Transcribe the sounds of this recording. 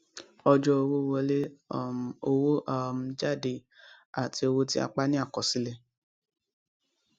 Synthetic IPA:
ɔ˧d͡ʒɔ˦o˧wo˦˨wɔ˧˦le˦˨ | o˧wo˦ʔa˦˨m̩˨d͡ʒa˦˨de˧˨ | a˨ti˧˦o˧wo˧ti˦a̰˧k͡pa˦nĩ˦a˦˨kɔ˨si˦le˧˨

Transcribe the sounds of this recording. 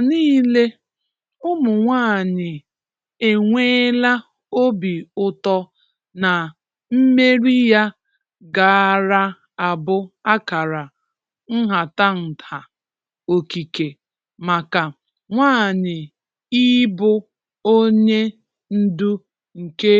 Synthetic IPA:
niː˦le˦ | ʊ˦mʊ˨ŋʷaː˦˨ɲɪ˨ | e˨ŋʷe˦la˦ | o˦bi˨ʊ˦tɔ˦ | na˨ | m̩˦me˦ɾi˦ja˦ | ɡa˨ɾa˦ | a˨bʊ˦a˦ka˨ɾa˨ | ŋ̩˦ɦa˨ta˦n̩˨tʰa˨ | o˨ki˨ke˨ | ma˨ka˨ | ŋʷaː˦˨ɲɪ˨ | i˦bʊ˦ | o˦ɲe˦ | n̩˦du˦ | ŋ̩˨ke˦

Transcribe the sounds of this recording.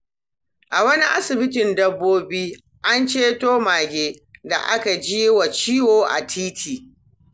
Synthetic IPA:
ʔa˨wɐ˦ni˦ʔa˦sɪ˨bɪ˦tɪ˨ndɐ˦bːoː˦biː˦ | ʔa˦nt͡ʃeː˦toː˦maː˨ɡʲeː˦da̰˨ʔa˦ka˨d͡ʒiː˦wa˨t͡ʃiː˦woː˨ʔa̰˨tʰiː˦tʰiː˨

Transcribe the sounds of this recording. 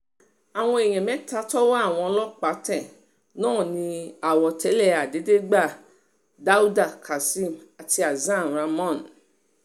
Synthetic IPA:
a˨w̃ɔ̃˧e˨j̃ɛ̃˨mɛ̃˨˦ta˧˦tɔ˦wa˦a˦˨w̃ɔ̃˧ɔ˧lɔ˦k͡pa˨˦tɛ˦˨ | nãː˦˨nĩ˧a˨wɔ˨tɛ˨˦lɛ˦˨a˨de˨˦de˦ɡ͡ba˦˨ | da˦u˦da˦˨kʰa˨sĩ˦˨ma˨ti˧a˨zã˦˨ɾa˧mɔ̃˦˨n

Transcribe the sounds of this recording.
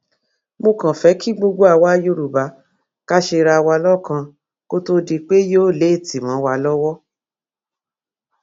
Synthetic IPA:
mo˧kã˨fɛ˨˦kʰi˦ɡ͡bo˧ɡ͡bo˦a˦˧˨wa˦jo˦ɾu˨ba˨˦ | ka˦ʃe˧ɾa˧wa˧lɔ˦˨kã˧ | ko˦to˦di˧k͡pe˦joː˦˨le˨˦˨ti˨mɔ̃˨˦wa˧lɔ˦wɔ˦

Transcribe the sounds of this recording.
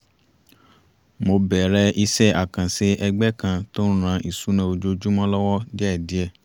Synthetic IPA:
mo˧bɛ˨ɾɛ˧ʔi˧sɛ˦˨a˨kã˨se˦ɛ˧ɡ͡bɛ˦kã˧to˦n̩˦ɾ̃ã˧ʔi˨su˨˦nã˧o˧d͡ʒo˧d͡ʒu˦mã˦lɔ˦wɔ˦dɛ˦˨di˨˦ɛ˧˨

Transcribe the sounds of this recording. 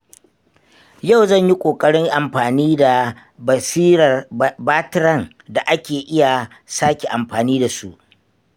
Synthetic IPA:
ja˦˨wzɐ˦˨ɲji˦kʷʼoː˨kʼɐ˦ɽɪ˦ŋʔa˨mɸaː˨niː˦da˨ | bɐ˨siː˦ɾɐ˨rbaː˦tɾɐ˦˨ŋ | da˨ʔa˦kʲeː˨ʔɪ˦ja˨ | saː˦kʲe˨ʔa˨mɸaː˨niː˦da˨su˦ʔ

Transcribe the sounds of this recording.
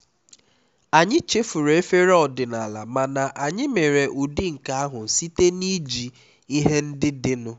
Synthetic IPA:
a˨ɲɪ˦t͡ʃe˦fu˨ɾe˨e˦fe˦ɾɔ˨dɪ˨na˨la˨ma˨na˨ʔa˨ɲɪ˦me˨ɾe˨ʔu˨di˦ŋ̩˨ka˨a˦ɦʊ˨si˦te˦ni˦d͡ʒi˨ | i˦ɦe˦n̩˦dɪ˦dɪ˦nʊ˦

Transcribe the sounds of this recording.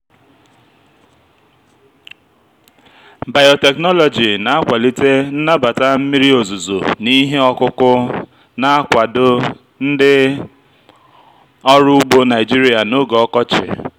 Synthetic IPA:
ba˨jɔ˨te˨knɔ˦lɔ˨d͡ʒi˨na˨a˦kʷa˨li˦te˦n̩˦na˦ba˨ta˦m̩˦mi˦ɾi˦o˨zu˨zo̰˨ni˦ɦe˦ɔ˦kʊ˦kʊ˦ | na˨a˦kʷa˨dʊ˦ | n̩˦dɪ˦ | ɔ˦ɾʊ˦u˦ɡ͡bo˦na˨ɪ˨d͡ʒi˦ɾi˦a˨no˦ɡɔ˦kɔ˦t͡ʃɪ̰˨

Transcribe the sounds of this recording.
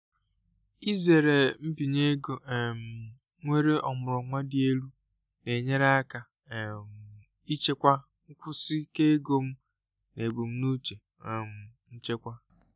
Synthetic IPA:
i˦ze˨ɾe˨m̩˦bi˨ɲe˦ɡo˨m̩˨ | ŋʷe˦ɾe˦ɔ˨mʊ˨ɾɔ˨ŋʷa˦dɪ˦e˦lu˦ | ne˨ɲe˦ɾa˦a˦ka˨ | m˨ | i˦t͡ʃe˦kʷa˦ | ŋ̩˦kʷʊ˦si˦ke˦ɡo˦m̩˦ | ne˨bu˨m̩˦nu˦t͡ʃe˨ | m̩˨ | n̩˦t͡ʃe˦kʷa˦

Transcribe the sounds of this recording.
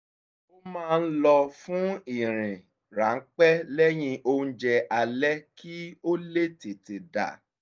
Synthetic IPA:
o˦mãː˦˧n̩˦lɔ˧fũ˦i˨ɾ̃ĩ˨ | ɾa˨˦ŋ̩˦k͡pɛ˦lɛ˦j̃ĩ˧ʔo˦d͡ʒɛ˧ʔa˧lɛ˦kʰi˦o˦le˦te˨te˨da̰˨

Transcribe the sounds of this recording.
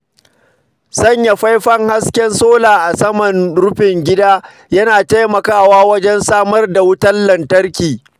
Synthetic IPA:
sɐ˦˨ɲja˨ɸa˦jɸɐ˦ŋha˦skʲɛ˦nsoː˦laː˨ʔa˨sɐ˦mɐ˨nɽʊ˦ɸɪ˨ŋɡʲɪ˦daː˦ | jɐ˦naː˨ta˦jmɐ˨kaː˦waː˦wɐ˦d͡ʒɛ˦nsaː˦mɐ˦rda˨wʊ˦tɐ˦lːɐ˨ntɐ˦rkʲiː˨

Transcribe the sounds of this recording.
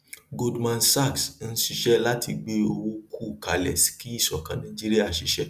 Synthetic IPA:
ɡo˧dmã˧nsa˦˨ksn̩˦ʃi˧ʃɛ˦la˦ti˧ɡ͡be˦o˧ɾu˦kʰu˦˨ka˨lɛ˨ski˦˨sɔ˨kã˨˦nã˦d͡ʒi˦ɾi˦a˦˨ʃi˧ʃɛ˦

